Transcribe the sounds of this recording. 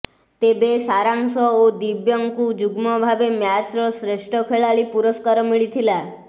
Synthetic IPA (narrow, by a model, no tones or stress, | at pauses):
t̪ebesaɾãŋsɔod̪ibjɔŋkud͡ʒuɡmɔbʱabemjat͡ʃɾɔsɾeʃʈʰɔkʰeɭaɭipuɾɔskaɾmiɭit̪ʰila